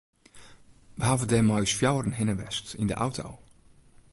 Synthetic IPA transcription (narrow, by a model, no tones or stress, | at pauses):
ʋəɦaːvədɛmɔɥsfjawrənɦɪnəʋɛ̰stɪ̰ndə̰ʔa̰wtʰo̰w